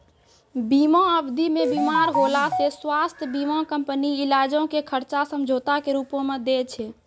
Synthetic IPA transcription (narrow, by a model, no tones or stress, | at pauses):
bimɔ̃əbd̪ʱimebimaɾɦolaseswast̪ʰjəbimɔ̃kəmpəniilad͡ʒõkekʰəɾt͡ʃasəmd͡ʒʱot̪akeɾupõmed̪et͡ʃʰɛ